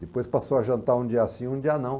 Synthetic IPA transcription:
d̪ɪpojspasowaʒɐ̃nt̪aɾũd͡ʒiɐsĩũd͡ʒiɐnɐ̃w̃

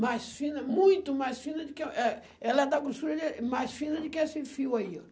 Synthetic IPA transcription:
majsfĩnɐmũj̃t̪ʊmajsfĩnɐd̪ʊkɪʔɛ | ɛlɐɛd̪aɡuʃt̪uɾɐd̪emajsfĩnɐd̪ʊkɪɛsefiwɐio

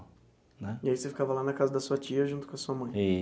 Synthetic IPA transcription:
nɛiaisefi̥kavɐlanɐkazɐd̪ɐsuɐt͡ʃiɐʒũt̪ʊ̥kõɐsuɐmɐ̃j̃i

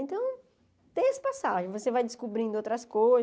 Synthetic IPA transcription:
ẽt̪ɐ̃w̃ | t̪ẽj̃esɪ̥pasaʒẽvosevajd͡ʒɪskubɾĩnd̪ʊowt̪ɾɐskoj

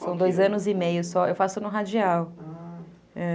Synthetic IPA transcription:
sɐ̃w̃d̪ojzɐ̃nʊzɪmejʊsɔewfasʊnʊɦad͡ʒiaw | ɛ̃

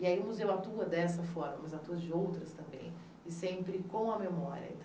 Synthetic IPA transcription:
ɪaiũmʊzewat̪uɐd̪ɛsɐfɔɾmɐmɐzat̪uɐzd͡ʒɪowt̪ɾɐst̪ɐ̃mbḛ̃j̃ | ɪsẽmpɾɪkõɐmemɔɾiɐ̰ẽnt̪

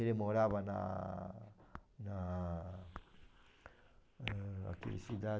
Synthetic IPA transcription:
eɾemoɾabana̰ | na | a̰kḭɾḭsid̪a

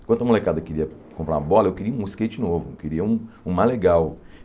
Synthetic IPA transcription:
kt̪ɐmolekad̪ɐkeɾiɐkõpɾa̰ɐbɔlɐewkɪɾiɐũisket͡ʃɪnovʊkeɾiɐũ | ũmaleɡaw

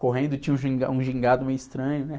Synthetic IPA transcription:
koɦẽnd̪ʊt͡ʃĩɲɐũʒĩɡa̰ũʒĩŋɡad̪ʊmẽjʊist̪ɾɐ̃ɲʊnɛ

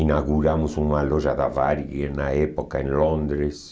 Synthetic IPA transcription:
inaɣuɾamusuŋalɔʒaðavaɾiɛnaɛpokaẽnlɔnd̪ɾes

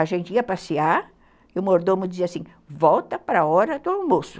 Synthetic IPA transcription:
aʒẽnt͡ʃɪiɐpasia | ʊmoɾd̪omʊd͡ʒiziɐasĩ | vɔwt̪ɐpɾɐɔɾɐd̪ʊawmosʊ̥

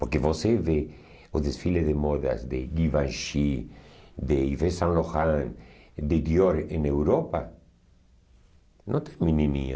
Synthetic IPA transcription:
poɾkeβoseβe | oðesfileðemoða̰zd̪eɡiβanʃi | d̪eivesãnloxãŋd̪ed̪joɾenewɾopa | nõt̪eŋmĩninḭa̰

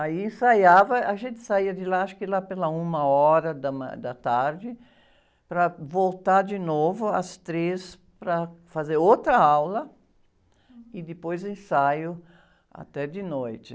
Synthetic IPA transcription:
aiẽsajavɐaʒẽnt̪ɪ̥saiɐd̪ɪlaaʃkɪlapelɐũmɐɔɾɐd̪ɐma̰d̪ɐt̪aɾd͡ʒɪ | pɾɐvolt̪aɾd̪ɪnovʊɐ̰st̪ɾes | pɾɐfazeɾowt̪ɾɐawlɐ | ɪd̪ɪpojzẽsajʊ | a̰t̪ɛd̪ɪnojt̪ɪ

